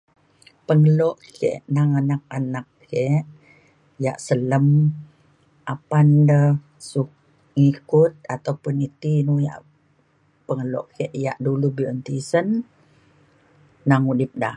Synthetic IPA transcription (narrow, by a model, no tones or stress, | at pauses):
pəŋəloʔkʰḛʔnaŋanak̚anakː | eʔ | ja̰ʔsələm | ʔapandə | suh | ŋikʊt̪̚at̪awpʊnit̪inuja̰ʔ | pəŋəlɔ̰ʔkeʔja̰ʔdulubiənt̪isən | aŋudɪp̚da